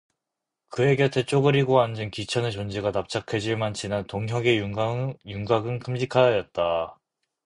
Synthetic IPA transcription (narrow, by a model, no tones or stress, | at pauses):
kɯeɡʌtʰet͡ɕ͈oɡɯɾiɡoand͡ʑɯnkit͡ɕʰʌnet͡ɕond͡ʑiɡanap̚t͡ɕ͈ʰakʰe̞d͡ʑiɭmant͡ɕinantoŋɦjʌɡe | juŋɡaɡɯnkʰɯmɕikʰajʌjʌt̚t͈a